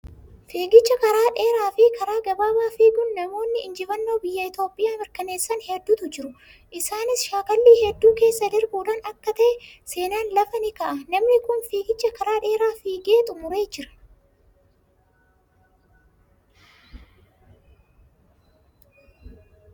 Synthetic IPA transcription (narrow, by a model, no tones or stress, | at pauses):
fiːɡɪt͡ʃːɐkɐɾaːᶑe̞ːɾaːfɪkʰɐɾaːɡɐbaːbaːfiːɡʊnːɐmo̞ːnːɪɪnd͡ʒɪfɐnːo̞ːbɪjːɐɪt̪jo̞ːpʼɪjaːmɪɾkɐne̞ːsːɐnhɛd̪ːuːt̪ʊd͡ʒɪɾʊ | ʔɪsaːnɪsʃaːkɐlːiːhɛd̪ːuːke̞ːsːɐd̪ɪɾbuːᶑaːnɐkːɐt̪ɐʔɛse̞ːnaːnlɐfɐnɪkɐʔɐnɐmnɪkʊnfiːɡɪt͡ʃːɐkɐɾaːᶑe̞ːɾaːfiːɡeːt̪ʼʊmʊɾe̞ːd͡ʒɪɾɐ̥